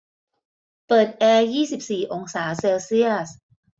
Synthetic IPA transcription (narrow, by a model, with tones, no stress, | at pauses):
pɤː˨˩t̪̚ʔɛː˧jiː˥˩si˨˩p̚siː˨˩ʔo˧ŋsaː˩˦seː˧wsi˥˩əs